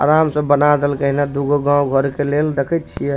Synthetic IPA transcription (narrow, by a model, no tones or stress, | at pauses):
a̰ɾamsə̃bənad̪elkəɦinad̪uɡoɡãuɡʱəɾkeleld̪ekʰɛt̪̚t͡ʃʰijɛ